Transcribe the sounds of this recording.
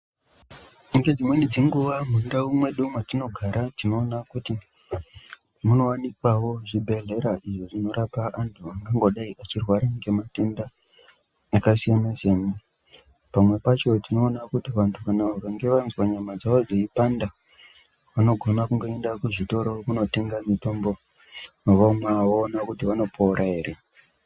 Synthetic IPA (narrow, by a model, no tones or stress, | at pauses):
iŋɡe̞d͡zimwenid͡ziŋɡuʋamundaumwe̞ɗumwatino̞ɡʱaɾatino̞ːnakuti | muno̞wanikwawo̞ʐibʱe̞ɮe̞ɾaʔiʐiʐino̞ɾapaʔantʰuaŋɡaŋɡo̞ɗaiʔat͡ʃirwaɾaŋɡe̞mate̞ndaː | kasijanasene | pamwe̞pat͡ʃo̞tino̞ːnakutiʋantʰukanaʋakaŋɡe̞ʋanzwaɲamad͡zaʋo̞d͡zeipanda | ʋano̞ɡʱo̞nakuŋɡo̞e̞ndakuʐito̞ɾokuno̞te̞ŋɡamito̞mbo̞ | maʋomwaːoːnakutiʋano̞pʰouɾʔaɦe̞ːɾe̞